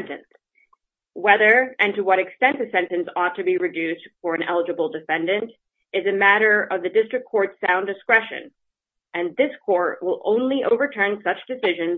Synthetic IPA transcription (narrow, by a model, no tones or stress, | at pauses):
ntɨ̃ns | wɛðə˞ʔɨ̃ntɨwʌɾɨkstɛ̃nðɨsɛ̃ntɨ̃nsɔtʰɨbiɹɨdʉstfə˞ɨ̃nʔɛlˠəd͡ʒɨbl̩ˠdɨfɛ̃ndɨ̃nt | ʔɨzɨmæɾə˞ʌvðɨdɪstɹ̥ɨkʰːɔɹtsãʊ̃ndɨskɹɛʃɨ̰̃n | ʔɨ̃nðɪskʰɔɹt̚wɪlˠʔõ̰ʊ̃nliʔoʊvə˞tʰɜ̃˞nsʌt͡ʃd̥ɨsɪʒɨ̃nz